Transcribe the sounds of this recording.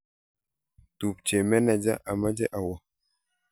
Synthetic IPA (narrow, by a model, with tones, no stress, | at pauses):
tu˨p̚t͡ʃe˨mɛ˦na˨d͡ʒa̰˦ʔa˨ma˦d͡ʒɛ˦ʔa˨wɔ˦